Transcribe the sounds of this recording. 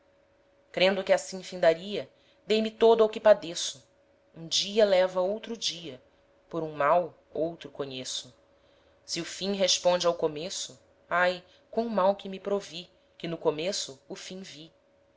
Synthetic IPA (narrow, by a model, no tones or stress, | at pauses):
kɾẽnd̪ʊkɪasĩfĩnd̪aɾiɐ | d̪ejmɪt̪od̪ʊɐwkɪpad̪esʊ̥ | ũd͡ʒiɐlɛvɐowt̪ɾʊd͡ʒiɐ | poɾũmaw | owt̪ɾʊkõɲesʊ | sɪʊfĩɦeʃpõnd͡ʒɪawkomesʊ | aj | kõʊmawkɪmɪpɾovi | kɪnʊkomesʊːfĩvi